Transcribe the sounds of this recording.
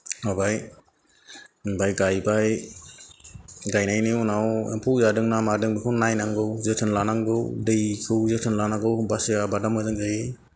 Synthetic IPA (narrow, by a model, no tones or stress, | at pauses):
habaj | bajɡajbaj | ɡajnajnɯunawḛmpʰuwzadɯŋnamadɯŋbikʰɔnnajnaŋɡɯwzɯtʰɯnlanaŋɡɯwdɯjkʰɯwzɯtʰɯnlanaɡɯwbasijabadamazɯŋzaje